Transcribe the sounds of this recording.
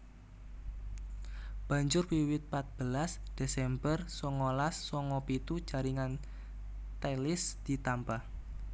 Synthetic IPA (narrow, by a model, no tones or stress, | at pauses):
b̥ä̤ɲd͡ʒʊrwiwɪt̪̚pat̪̚b̥əlasd̪̥esɛmbərsɔŋɔlasːɔŋɔpit̪ud̥ʒ̥a̤ɾiŋan | t̪elɪsd̪̥i̤t̪ampah